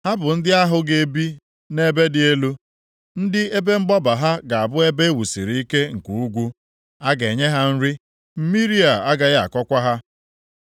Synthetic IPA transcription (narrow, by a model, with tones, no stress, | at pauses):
ha˦bʊ˨n̩˦dɪ˦a˦ɦʊ˦ɡe˨˦bi˦ | ne˦be˦dɪ˨e˦lu˦ | n̩˦dɪ˦e˦be˦ŋ͡m̩˦ɡ͡bɔ˦ba˨ɦa˦ɡa˨a˨bʊ˦e˦be˦e˦wu˨sḭ˨ɾi˦i˦ke˦ŋ̩˨ku˨u˦ɡʷu˦ | a˦ɡe˨ɲe˦ɦa˦n̩˦ɾɪ˦ | m̩˦mi˦ɾi˦a˨a˦ɡa˨ɣa̰˨kɔ˦kʷa˦ɦa˦